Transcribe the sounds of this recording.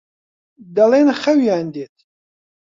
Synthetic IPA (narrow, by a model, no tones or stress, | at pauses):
d̪alenχɐwjaːnd̪eːt̪̚ʰ